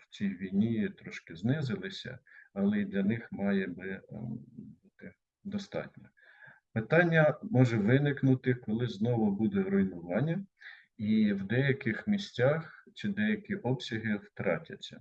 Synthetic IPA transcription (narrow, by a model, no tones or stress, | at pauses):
w̥t͡sʲijʋʲijnʲit̪ɾɔʃkɪznɪzɪlˠɪsʲɐ̰ɐlˠɛid̪lʲɐnɪxmɑjɛbɪ | but̪ɪ | d̪ɔst̪ɑ̰tʲnʲɐ | pɪt̪ɑnʲːɐmɔʒɛʋɪnɪknʊt̪ɪkɔlˠɪznɔʋʊbud̪ɛɾɔjnʊʋɑnʲːɐ | iwd̪ɛjɐkɪxmʲisʲtʲɑxt͡ʃid̪ɛjɐkʲiʔɔpsʲɐɦɪwt̪ɾɑ̰tʲɐt͡sʲːɐ̰